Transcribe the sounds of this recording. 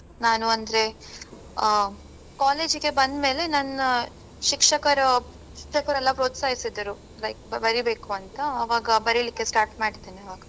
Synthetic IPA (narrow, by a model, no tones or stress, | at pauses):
naːnuɐnd̪ɾe̞ | kaːle̞ːd͡ʒiɡe̞bɐnd̪me̞ːle̞nɐn | ʃikʂɐkɐɾɐ | ʃikʂɐkɐɾɛlːɐpɾoːt̪saːjisid̪ɐɾu | lɐjk̚bɐɾibe̞ːkuɐnt̪ɐːʋaːɡɐbɐɾilikːe̞sʈaːɾʈmaːɽid̪eːniɐʋaːɡɐ